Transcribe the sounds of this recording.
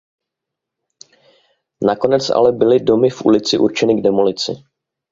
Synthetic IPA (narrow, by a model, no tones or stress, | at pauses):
nako̞nɛt͡sʔa̰lɛbɪlɪdo̞mɪfʔṵlɪt͡sɪʔṵɾt͡ʃɛnɪɡdɛmolɪt͡sɪ̰